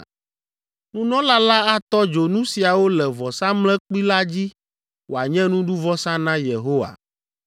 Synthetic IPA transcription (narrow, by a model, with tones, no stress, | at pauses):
nũ˦nɔ̃˦la˦la˦a˦t̪ɔ˦d͡ʒo˨nũ˦si˨a˨wo˦lɛ˨vɔ˨sã˦mlɛ̃˦k͡pi˦la˦d͡ʑi˦ | wo˨a˨ɲɛ̃˦nũ˦ɖu˦vɔ˦sã˦nã˦je˨ɦo˦wa̰˨